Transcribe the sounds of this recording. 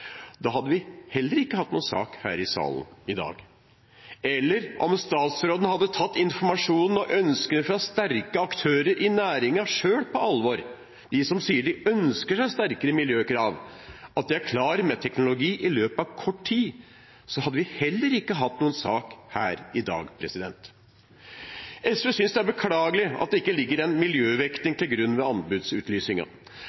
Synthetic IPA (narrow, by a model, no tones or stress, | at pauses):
d̪̥ɑɦɑd̪ːəʋɪhɛlːəɾɪkːəhɑt̪ːnuːnsɑ̰ːkhæ̰ːɾɪsɑ̰ːlnɪd̪ɑ̰ːɡ | ɛlːəɾʔɔ̰mst̪ɑːt̪sɾoːd̪ən̩hɑd̪ːət̪ʰɑt̪ːɪnfɔɾmɑʂuːnn̩ɔʔœnskənəfɾɑst̪æɾkəɑkt̪ʰøːɾəɾʔɪnæːɾɪŋɑʂøːɽpʰɔɑlʋɔɾ | d̪̥ɪsɔmsiːəɖɪœnskəʂæɪst̪æɾkəɾəmɪljøːkɾɑːʋɑt̪̚d̪ɪæɾkʰlɑːɾəmɛt̪ʰɛknʊlʊɡiːʔɪløːpɑʋkʰɔʈːtʰiː | sɔhɑd̪ːəʋɪhɛlːəɾɪkːəɦɑt̪ːnuːənsɑːkhæ̰ːɾɪd̪ɑ̰ːɡpʰɾɛsɪd̪ɛnt̪ | ɛsøsʏnsd̪ɛæɾbəkʰlɑːɡəlɪɑt̪̚d̪ɛɪkːəlɪɡːəɾɛnmɪljøːʋɛknɪŋt̪ʰɪlɡɾʉnːʋɛɑnbʉd̪sʉːt̪ʰlyːsɪŋɑ̰